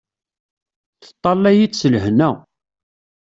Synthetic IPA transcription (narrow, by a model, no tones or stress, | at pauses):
θə̥t̪ˤːɑlːæjit͡sːsələɦnæ